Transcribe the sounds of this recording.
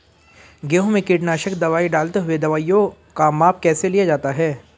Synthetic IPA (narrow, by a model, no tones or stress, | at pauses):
ɡeːɦõmẽkɪʈnaːʃəkd̪ɐʋaːiɖaːlt̪eɦʊed̪ɐʋaːijõ | kamaːp̚ʰkɛːselijad͡ʒaːt̪aɦɛː